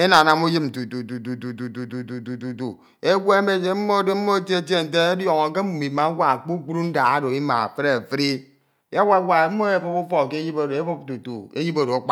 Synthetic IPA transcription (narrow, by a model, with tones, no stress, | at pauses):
e˦na˨na˨mu˦ji˦p̚n̩˨tu˨tu˨tu˨tu˨tu˨tu˨tu˨tu˨tu˨tu˨tu˨tu˨ | e˦we˦e˦me˦d͡ʒe˨m̩˦mo˦de˦m̩˦mo˦e˦t͡ʃe˦e˦te˦˨n̩˨t̬e˦e˦djo˨ŋo˨k̬e˦u˨mi˨ma˨˦wʷa˦˨k͡pu˦k͡pu˦ɾu˦n̩˦da˨ɣa˦do˨i˦ma̰˨fɾe˦a˨fi˦ɾi˦ | ja˦wa˦wʷa˨e˨˦m̩˦mo˦e˦˨fo˦pu˦fɔ˦˨ke˦ji˦bo˦˨e˦bu˦p̚tu˨tu˨ḛ˦ji˦bo˨do˨a˨˦k͡pa˦